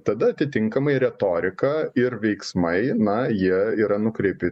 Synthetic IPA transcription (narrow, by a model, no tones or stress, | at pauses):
t̪ɐd̪ɐɐt̪ʲɪt̪ʲɪŋkɐmɐɪɾʲɛt̪oːɾʲɪkɐɪɾʋʲɛɪksmɐɪnɐjiɛiːɾɐnʊkɾʲɛɪpʲɪ